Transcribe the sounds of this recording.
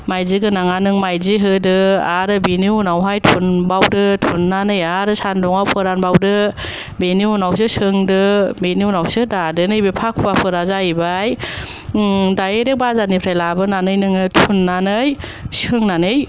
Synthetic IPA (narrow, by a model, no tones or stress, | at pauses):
majziɡɯnaŋanɯŋmajziɦɯdɯaɾɯbiniwnawɦajtʰunbawdɯtʰunːanɯjaɾɯsandɔŋawpʰɯɾanbawdɯ | beniwnaws̬ɯsɯŋdɯbeniuwnawsɯdadɯnɯjbepʰak̚ʰuwapʰɯɾazaibaj | dajeɾek̚bazanipʰɾajlabɯnanɯjnɯŋɯtʰunːanɯjsɯŋnanɯj